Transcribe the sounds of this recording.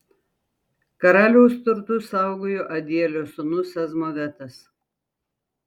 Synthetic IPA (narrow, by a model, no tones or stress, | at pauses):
kɐɾɑlʲoːst̪ʊɾt̪ʊsɑˑʊɡojoːʔɐd̪ʲiɛlʲosʊnʊsɐzmoʋʲɛt̪ɐs